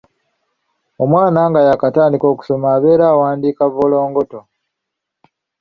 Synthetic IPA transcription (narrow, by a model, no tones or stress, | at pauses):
o̞mwaːnaŋɡajakataːndiko̞ːku̥so̞maːβe̞ːɾaːwaːndiːkaβolo̞ːŋɡoto